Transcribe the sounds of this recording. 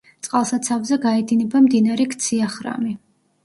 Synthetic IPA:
t̪sʼqʼalˠsat̪sʰavzɛɡaɛd̪inɛbamd̪inaɾɛkʰt̪sʰiaχɾa̰mi

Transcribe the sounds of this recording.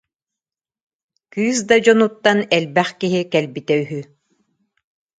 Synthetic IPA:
kyːs̬d̪ad͡ʑɔnut̪ːanɛlbɛχkiɦikɛlbit̪ɛyɦy

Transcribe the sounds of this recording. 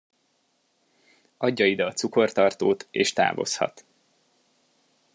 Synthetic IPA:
ɒɟːɒid̪ɒːt̪suko̞rt̪ɒrt̪oːt̪ḛːʃt̪a̰ːvo̞̰shɒ̰t̪

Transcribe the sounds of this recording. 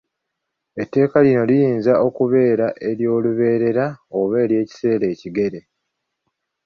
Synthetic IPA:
etːe̞ːkalino̞lijiːnzaʔo̞kuβe̞ːɾaʔe̞ɾjo̞ːluβe̞ːɾe̞ɾaoβeːlje̞ːci̥se̞ːle̞ːciɡe̞ɾe̞

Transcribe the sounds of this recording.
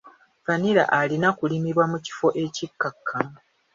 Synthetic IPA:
vaniɾa̰ʔalinakulimiɾwamuci̥fo̞ʔe̞cikːakʰːa

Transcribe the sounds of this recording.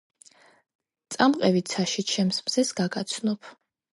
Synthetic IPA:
t̪sʼamqʼɛvit̪sʰaʃit͡ʃʰɛmsmzɛsɡaɡat̪sʰnɔpʰ

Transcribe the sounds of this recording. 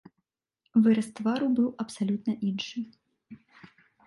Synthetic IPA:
vɨɾɐst̪vaɾubɨwɐpsalʲut̪̚nɐʔinʂɨ

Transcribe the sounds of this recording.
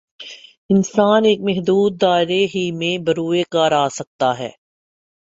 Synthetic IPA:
ɪnsaːneːkmɛɦd̪uːd̪̚ːaːɪɾeɦimẽbɐɾuːekaːɾaːsɐk̚t̪aɦɛ̰ː

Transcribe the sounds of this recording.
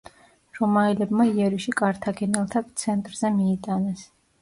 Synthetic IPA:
ɾɔmaɛlɛbmaiɛɾiʃikʼaɾt̪ʰaɡɛnɛlˠt̪ʰat̪sʰɛnt̪ʼɾzɛmiːt̪ʼanɛs

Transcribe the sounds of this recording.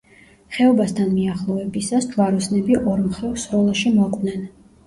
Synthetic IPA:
χɛɔbast̪ʰanmiaχlˠɔɛbisasd͡ʒwaɾɔsnɛbiʔɔɾmχɛvsɾɔlˠaʃimɔqʼvnɛn

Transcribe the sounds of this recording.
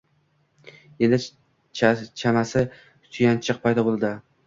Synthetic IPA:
end̪ɪ | t͡ʃʰt͡ʃʰamasɪ | sʰʊjant͡ʃʰɨq̚pʰajd̪ɒbolˠd̪ɪ

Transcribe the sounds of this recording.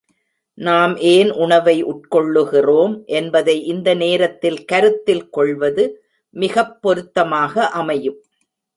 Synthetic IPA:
naːmʔeːnʔʊɳɐʋɐɪʔʊʈ̚kɔɭːɯɣɪroːmʔɛnbɐðɐɪʔɪnd̪ɐneːɾɐt̪ːɪlkɐɾɯt̪ːɪlkɔɭʋɐðɯ | mɪɣɐpːɔɾɯt̪ːɐmaːɣɐʔɐmɐjɯm

